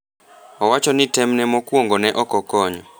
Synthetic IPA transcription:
ɔwat͡ʃɔnitɛmnɛmɔkuɔŋɡɔnɛʔɔkɔkɔɲɔ

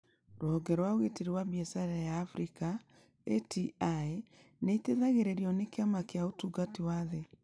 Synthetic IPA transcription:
ɾoɔɡɛɾwaoɣeteɾiwabiɛsaɾɛjaːfɾika | etʰiae | neiteðaɣeɾeɾiɔnekeamakeaotuɡatiwaðe

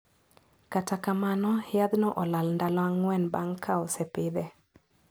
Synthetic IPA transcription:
katakamanɔhjad̪nɔʔɔlalndalɔaŋwɛnbaŋkʰaosɛpɪd̪ɛ

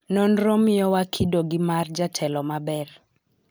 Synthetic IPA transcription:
nɔnɾɔmɪɔwakʰidoɡɪmard͡ʒatʰɛlɔmabɛr

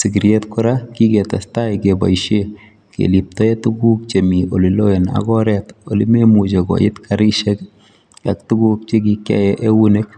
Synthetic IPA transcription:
sɪɡiɾjetkʊɾakikɛtastaikeba̰jʃe | kḛlip̚tɔetuɡuk̚t͡ʃemioliloena̰ɡɔɾɛtolimemud͡ʒeɡɔ̰jɪ̰tkʰaɾiʃɛk | ak̚tuɡuk̚t͡ʃeɡikja̰jɛʔewunek̚

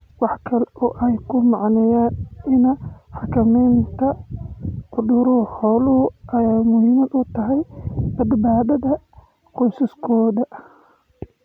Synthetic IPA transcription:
wɑħkʰɐlɛɔːʔɛjkʰʊmɑʕnɛjaːnɪnɐħɑkʰɐmɛjnt̪ʰɐ | qʊd̪ʊɾʊhħɔːlʊhʊʔɐjaːmʊhiːmɐd̪ʊt̪ʰɐɦɛjbɐd̪baːðɐðɐ | qɔjsɐskʰɔːðɐ

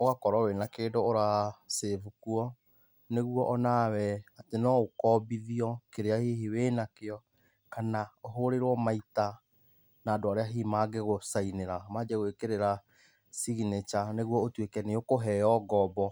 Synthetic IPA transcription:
oɣakɔɾɔwenakeːdoːɾaːsevukuɔ | neɣuɔʔɔnawɛatenɔokɔːbiðiɔkeɾeaheɦewenakeɔ | kanaoɦoɾeɾwɔmaita | naːdoaɾeaɦiːmaːɡeɣosaineɾamad͡ʒɛɣwekeɾeɾa | siɣinet͡ʃaneɣwɔotwekɛneokoɦɛjɔɡɔbɔ

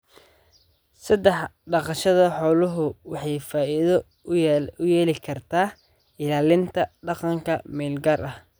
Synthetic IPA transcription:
sɐd̪ɛħɖɑqɑʃɐðɐħɔːlʊɦʊwɑħɑjfaːʔiðɔ | ʊjɛːlɪkʰɐrt̪ʰaː | ɪlaːlɪnt̪ʰɐɖɑqɑŋkʰɐ̰mɛːlɡaːrʔɐh

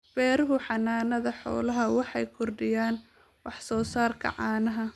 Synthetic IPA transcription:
b̥ɛːɾʊɦʊħɑnaːnɐðɐħɔ̰ːlɐɦɐwɑħɑjkʰʊrɖɪjaːn | wɑħsɔːsaːrkʰɐ̰ʕɑːnɐɦɐ

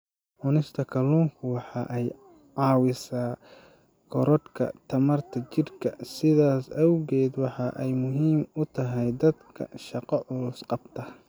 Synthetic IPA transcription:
ʕʊnɪst̪ʰɐkʰɐluːŋkʰʊwɑħɑʔɛj | ʕɑːwɪsaː | kʰɔɾɔd̪kʰɐ̰t̪ʰɐmɐrt̪ʰɐt͡ʃɪrkʰɐ̰sɪðaːsɐwɣɛːd̪wɑħɑʔɛjmʊɦiːmʊt̪ʰɐɦɛjd̪ɐd̪kʰɐ̰ʃɑqɑʕʊɾʊsqɑb̚t̪ʰɐ

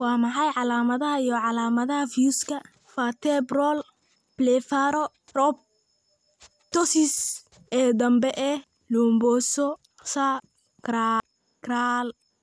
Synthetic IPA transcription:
wɑːmɐħɑjʕɑlaːmɐðɐɦɐijɔʕɑlaːmɐðɐɦɐfjuːskʰɐ | fat̪ʰɛbrɔl | blɛfaɾɔ | rɔb̚ | t̪ɔsɪs | ɛːd̪ɐmbɛʔɛ | luːmbɔːsɔ | sa | ɡ̥ɾa | ɡraːl

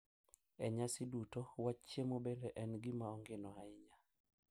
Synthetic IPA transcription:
ɛɲasɪdutowat͡ʃːemobendɛʔɛnɡɪmaɔŋɡenɔaɪɲa

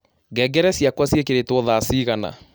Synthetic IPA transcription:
ɡɛːɡɛɾɛsjakwasjekeɾetwɔðaːsiːɣana̰

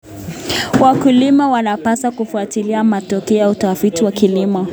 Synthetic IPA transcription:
wakulimawanapasakufuatiliamatɔkɛautafitiwakilimɔ

